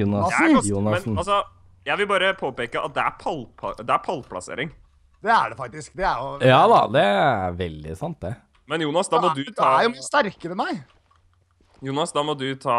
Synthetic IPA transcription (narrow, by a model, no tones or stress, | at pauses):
juːnɑjuːnɑɛn̩ɑlsɔ | jæɪʋɪlbɑːɾəpʰoːpeːkəʔɑ̰t̪̚d̪ɛæɾpʰɑlpʰɑd̪ɛæɾpʰɑlpʰlɑ̰sḛːɾɪŋ | d̪̥ɛæ̰ɖɛfɑk̚t̪ɪskd̪ɛæɾjʊjɑːd̪ɑ̰d̪ɛæ̰ɾʋɛld̪ɪ̰sɑnt̪̚d̪ɛ | mɛnjuːnɑsd̪ɑmɔd̪ʉt̪ɑæɾjʊst̪æɾkəɾəmæɪ | juːnɑsd̪ɑːmɔd̪ʉt̪ʰɑː